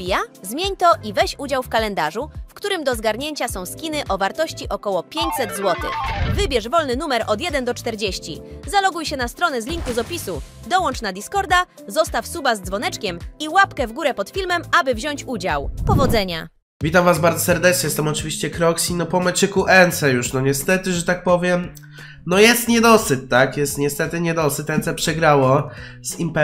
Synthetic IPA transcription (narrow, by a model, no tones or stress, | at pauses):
bʲijazmʲjeɲt̪ɔʔivɛɕud͡ʑawfkalɛnd̪aʐufkt̪uɾɘmd̪ɔzɡaɾɲeɲt͡ɕasɔ̃w̃skʲinɘʔɔvaɾt̪ɔɕt͡ɕiʔɔkɔwɔpʲjeɲt͡ɕsɛd̪zwɔt̪ɘ̰xvɘbʲjɛʐvɔlnɘnumɛɾɔd̪jɛd̪ɛnd̪ɔt͡ʂt̪ɛɾd͡ʑeɕt͡ɕḭzalɔɡujɕɛnast̪ɾɔnɛzlʲiŋkuzɔpʲisu | d̪ɔwɔnt͡ʂnad̪ʲiskɔɾd̪a | zɔst̪afsubazd̪zvɔnɛt͡ʂkʲɛmiwapkɛvɡuɾɛpɔt̪fʲilmɛmabɘvʑɔɲt͡ɕud͡ʑa̰wpɔvɔd̪zɛɲa̰ | vʲit̪amvazbaɾd̪zɔsɛɾd̪ɛt͡ʂɲɛst̪amɔt͡ʂɘvʲiɕt͡ɕɛkɾɔksʲinɔpɔmɛt͡ʂɘkuʔɛnt̪sɛjuʂnɔɲɛst̪ɛt̪ɘʐɛt̪ak̚pɔvʲjɛm | nɔjɛst̪ɲɛd̪ɔsɘt̚t̪ːakjɛst̪ɲɛst̪ɛt̪ɘɲɛd̪ɔsɘt̪ɛnt̪sɛpʂɛɡɾawɔ | z̥impɛ